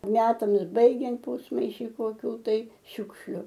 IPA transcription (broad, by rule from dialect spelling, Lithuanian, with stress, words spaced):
ˈmʲæːtɐms ˈbɐɪɡʲɛnt ˈpuːsmɐɪʃʲɪ koːˈkʲuː tɐɪ ˈʃʲʊkʃʲlʲʊ